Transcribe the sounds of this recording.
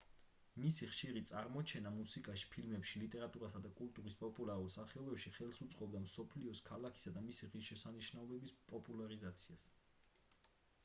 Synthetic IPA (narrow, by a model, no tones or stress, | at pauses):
misiχʃiɾit̪sʼaɾmɔt͡ʃʰɛnamusikʼaʃi̥pʰilmɛpʃilit̪ʼɛɾat̪ʼuɾasad̪akʼult̪ʼuɾispʼɔpʼulˠaɾulˠsaχiɔbɛpʃiχɛlˠsut̪sʼqʼɔbd̪amsɔpʰliɔskʰalakʰi̥sad̪amisiʁiʃɛsaniʃnaɔbɛbispʼɔpʼulˠaɾizat̪sʰias